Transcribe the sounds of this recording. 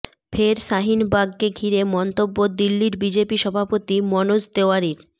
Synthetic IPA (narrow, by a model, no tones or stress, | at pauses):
fʰeɾʃaɦinbaɡkeɡʱiɾemɔnt̪obːod̪ilːiɾbid͡ʑepiʃɔbʱapot̪imɔnosd̪eoaɾiɾ